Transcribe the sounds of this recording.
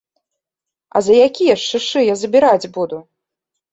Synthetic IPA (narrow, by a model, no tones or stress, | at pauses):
ɐ̰zɐjakʲijɐʂt͡ʂɨʂɨjazɐbʲiɾad͡zʲbud̪u